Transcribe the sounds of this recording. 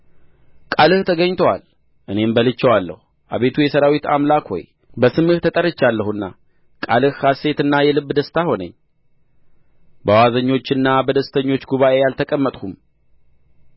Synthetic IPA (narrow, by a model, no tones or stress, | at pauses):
kʼalɨht̪ʰəɡəɲːt̪ʰəwa̰l | ʔɨne̞mbəlɨt͡ʃːəwalːə̰hu | ʔa̰βe̞t̪ʰujɛsəɾawit̪ʰa̰mlakho̞̰j | bəsɨmɨht̪ʰət̪ʼəɾɨt͡ʃːalːəhuɨnːa̰ | kʼalɨhkase̞t̪ɨnːajɛlɨβːd̪əst̪ʰaho̞nə̰ɲː | bəwazəɲːo̞t͡ʃːɨnːabəd̪əst̪ʰəɲːo̞t͡ʃːɡuβaʔe̞jalt̪ʰəkʼəmːət̪ʼhum